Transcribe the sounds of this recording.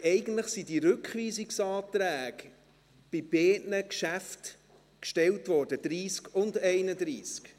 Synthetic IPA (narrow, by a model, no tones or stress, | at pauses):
ɛɪɡən̩tləχsidiɾɵkχʋiːsiksɑːtɾæːɡ | b̥ɪb̥eːʔnəkʃæft | kʃtɛltʋɔːɾd̥əd̪̥ɾiːskʊndɛɪnədɾiːsk